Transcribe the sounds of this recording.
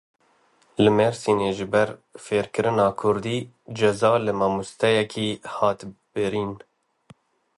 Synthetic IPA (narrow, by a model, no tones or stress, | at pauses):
lɨmɛɾsiːneːʒɨbɛɾfeːɾkɨɾɨnɑːkʰʊɾd̪iː | d͡ʒɛzɑːlɨmɑmust̪ɛjɛkʰiːhɑːt̪b̥ɨɾiːn